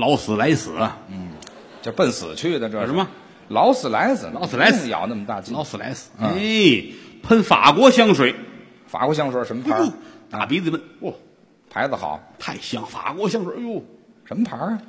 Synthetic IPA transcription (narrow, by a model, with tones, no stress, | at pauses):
lɑ˧˥ʊsɹ̩˨˩la˧˥ɪsɹ̩˨˩˧n̩˥˩ | t͡ɕjo˥˧ʊpə˥˩nsɹ̩˨˩t͡ɕʰɛ˥ɛ˥˩d̪ə˧ʈ͡ʂɤ˥˧˩ʂɻ̩˧˥mɐ˧ | lɑ˧˥ʊsɹ̩˨˩la˧˥ɪsɹ̩˨˩lɑ˧˥ssɹ̩˨la˧˥ɪsjɑ̰˨˩ʊna˥˩mə˩t̪a˥˩t͡ɕi˧lɑ˧˥ʊsɹ̩˨˩la̰˧˥ɪsɹ̩̥˨˧˩e˥˩ | pʰə˥˧nfa̰˨˩kwɔ˧˥ɕjɑ˥ŋʂwe˧˩˦ɪ | fa̰˨˩kwɔ˧˥ɕ̬jɑ˥ŋʂwe˧˩˥ʂə˧˥mə˧pʰa˧u˥˩t̪a˨˩pi˧˥t͡si˧mə˧˩nɔ˥˩ | pʰa˧˥ɪd͡zə˧˩xɑ̰˨˩˦t̪ʰa˥˩ɪɕjɑ˥˩ŋfa̰˨˩kwɔ˧˥ɕjɑ˥˧ŋʂwe˧˩˥u˥˩ʂə˧˥nmə˧pʰa˧˥